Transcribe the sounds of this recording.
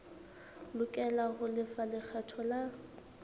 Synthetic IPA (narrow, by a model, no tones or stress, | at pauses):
lʊkʼɛlaɣʊlɪfalɪk͡xʰɛtʰɔla